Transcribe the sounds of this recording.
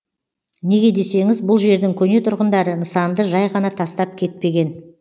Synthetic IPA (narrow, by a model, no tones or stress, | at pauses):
ne̞ɡʲe̞d̪e̞se̞ŋɪzbʊlˠʒe̞ɾd̪ɪŋkʲʰɵne̞t̪ʰʊɾʁənd̪ɑɾənəsɑnd̪əʒɑjʁɑnɑt̪ʰɑst̪ɑp̚kʲʰe̞t̪̚pe̞ɡʲe̞n